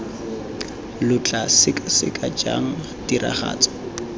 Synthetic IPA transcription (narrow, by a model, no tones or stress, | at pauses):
lʊt͡ɬʼasɪkʼsɪ̰kʼad͡ʒa̰ŋ̩ | dira̰χa̰ːt͡sʼɔ̥